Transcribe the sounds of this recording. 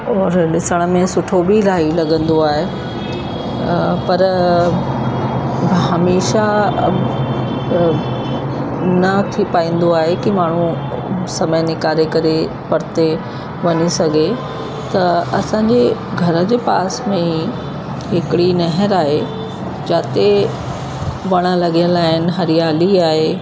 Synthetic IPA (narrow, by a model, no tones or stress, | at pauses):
ɔːɾɗɪsəɽ̃ə̆mẽsʊʈʰobʱilaːilɐɠə̃nd̪oaːɦe | pɐɾ | ɦɐmeːʃa | nɐt̪ʰipaːĩːn̆d̪oaːɦekimaːɳ̤ũ | sɐməjnɪkaːɾekɐɾe | pɐɾt̪e | ʋɐɲisɐɡʱe | t̪ɐɐsãːɲd͡ʑeɡʱɐɾə̆d͡ʑeːpaːsmẽi | ɦɪkɽinɐɦəɾaːɦe | d͡ʑaːt̪e | ʋɐɽ̃ə̆lɐɡijə̃nlaːɦɪnɪ̆ɦɐɾijaːliaːɦe